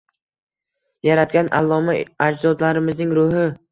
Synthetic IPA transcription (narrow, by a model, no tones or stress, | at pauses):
jaɾat̪̚ɡʲanʔa̰lˠːɒmaad͡ʒzɒd̪laɾɪmɪznɪŋɾʊhɪ